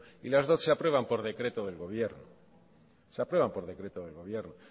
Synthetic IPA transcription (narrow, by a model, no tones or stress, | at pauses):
ilazðo̞θseapɾwe̞β̞ampo̞ɾðe̞kɾe̞t̪oðe̞lɣo̞β̞je̞ɾno | seapɾwe̞βampo̞ɾðe̞kɾe̞t̪oðelɣo̞β̞je̞ɾno